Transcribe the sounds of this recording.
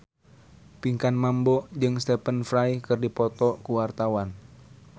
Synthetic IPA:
piŋkanmambɔd͡ʒɨŋst̪ɛpənfɾajkɨrdipɔt̪ɔkuwart̪awan

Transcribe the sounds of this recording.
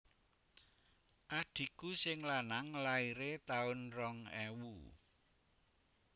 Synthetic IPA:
ʔaɖ̥i̤kusɪŋlanaŋlaiɾet̪aʊnrɔŋɛwu

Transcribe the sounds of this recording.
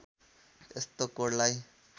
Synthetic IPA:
ḛst̪okoɽlaj

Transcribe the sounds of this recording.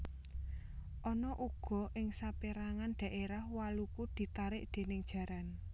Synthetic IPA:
ʔɔnɔʔuɡ̥ɔ̤ʔɪŋsapiɾaŋanɖ̪̥a̤ʔeɾahwalukud̪̥i̤t̪aɾɪʔd̪̥e̤nɪŋd̥ʒ̥a̤ɾan

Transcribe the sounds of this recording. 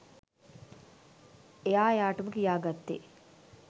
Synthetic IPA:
ejaːejaːʈəməkijaːɡat̪ːḛ

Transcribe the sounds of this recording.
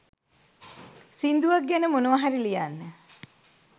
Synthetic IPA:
sind̪uʋaɡɡænəmunuʋaɦaɾilijanːə

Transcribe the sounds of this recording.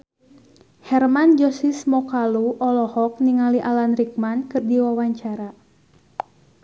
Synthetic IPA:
hɛrmand͡ʒɔsismɔkaluʔɔlɔhɔk̚niŋaliʔalanrik̚mankɨrdiwawaɲt͡ʃaɾa

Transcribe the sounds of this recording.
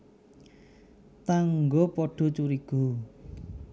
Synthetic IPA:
t̪aŋɡopɔɖ̥ɔ̤t͡ʃuɾiɡ̥o̤

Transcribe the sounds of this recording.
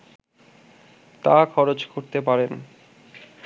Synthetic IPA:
t̪akʰɔɾot͡ɕkoɾt̪epaɾen

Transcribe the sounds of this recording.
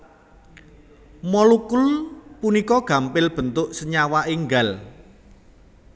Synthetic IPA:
mɔlukʊlpunikɔɡ̥a̤mpɪlb̥ə̤nt̪ʊʔsəɲawaʔeŋɡal

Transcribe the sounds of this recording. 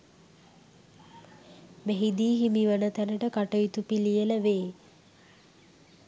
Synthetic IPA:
meɦid̪iːɦimiʋənət̪ænəʈəkaʈəjit̪upilijələʋeː

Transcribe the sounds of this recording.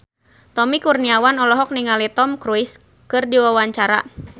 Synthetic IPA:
t̪ɔmikurniawanɔlɔɦɔk̚niŋalit̪ɔmkɾuis | kɨrdiwawaɲt͡ʃaɾa̰

